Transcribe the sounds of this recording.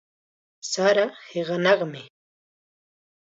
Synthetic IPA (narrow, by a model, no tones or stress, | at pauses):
saɾaheɢɑnɑχmɪ